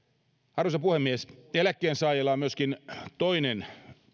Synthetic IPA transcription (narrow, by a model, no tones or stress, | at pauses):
ɑrʋusɑpuhemːieselækːeːnsɑːjelɑːmyøskint̪oinen